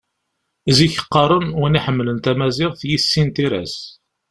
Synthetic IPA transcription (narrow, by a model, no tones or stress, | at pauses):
ziçə̥qːɑɾˤʊnwʊniħəmːlənt̪æmæzɪʁθjisːint̪iɾæ̰s